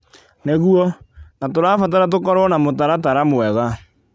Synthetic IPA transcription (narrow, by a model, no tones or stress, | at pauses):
neɣuɔnatoɾaːfat̬aɾat̬okɔɾɔnamotaɾataɾamwɛða